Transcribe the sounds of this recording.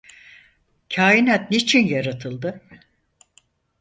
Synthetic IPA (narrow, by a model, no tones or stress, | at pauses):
cʰaːjinat̪̚nit͡ʃʰinjaɾat̪ʰɯlˠd̪ɯ